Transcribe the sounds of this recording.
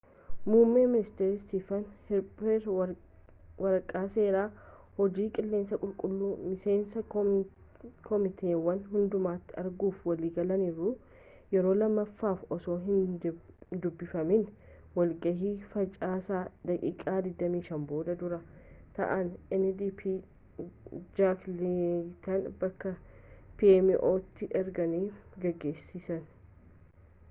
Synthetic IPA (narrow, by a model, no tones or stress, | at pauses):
muːmːeːmɪnɪst̪eɾɪsifɐnhɪɾpʼɛɾ | wɐɾkʼaːse̞ːɾaː | hɔd͡ʒiːkʼɪlːe̞ːnsɐkʼʊlkʼʊlːuːmɪse̞ːnsɐ | kʰɔmɪt̪eːwɐnɦʊnd̪ʊmaːt̪ːɪɐɾɡuːfwɐliːɡɐlɐniːɾʊ | jɛɾo̞ːlɐmːɐfːaːfɔso̞ːɦɪn | d̪ʊbːɪfɐmɪn | wɐlɡɐɦiːfɐt͡ʃʼaːsaːd̪ɐkʼḭːkʼaːd̪ɪd̪ːɐmiːʃɐmbo̞ːd̪ɐd̪ʊɾɐt̪ɐ̰ʔɐnɛnːd̪iːpʰi | d͡ʒaklit̪ɐnbɐkːɐpiɛmɪʔoːt̪ːɪʔɛɾɡɐniːɡɐɡːe̞ːsːɪsɐn